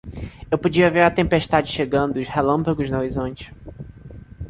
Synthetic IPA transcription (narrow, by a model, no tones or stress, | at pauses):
ewpod͡ʒiɐveɾɐt̪ẽmpeʃt̪ad͡ʒɪʃeɡɐ̃nd̪ʊʊshelɐ̃mpɐɡʊznoɾizõnt͡ʃɪ̥